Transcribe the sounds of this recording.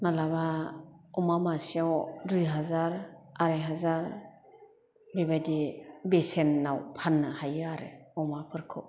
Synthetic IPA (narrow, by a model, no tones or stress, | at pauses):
malaβaɔmamasiawɾɯjɦazaɾaɾajɦazaɾ | bebajdibesenːawpʰanːɯhajɯaɾɯɔmapʰɯɾkʰɯ